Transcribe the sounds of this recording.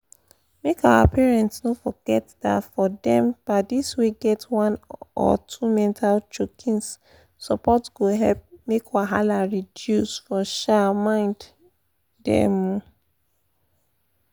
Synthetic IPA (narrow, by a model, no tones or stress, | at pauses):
mekawa̰pʰɛɹɛ̃ntsnofɔɡ̥ɛtda̰fɔdɛ̃mb̥aɪdisweɡɛtʰwãnɔ̰tʰumɛ̃ntʰalt͡ʃokʰĩns | sɔpɔtɡ̥oɦɛlp̚mekawaɦalaɹidjusfɔʃamãɪ̃nd | dɛ̰̃m